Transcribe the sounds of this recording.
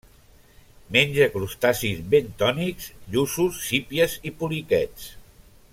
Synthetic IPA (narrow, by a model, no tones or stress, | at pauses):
menʲd͡ʒəkɾust̪asizβent̪ɔnikzʎususːipiəzipulikɛt͡s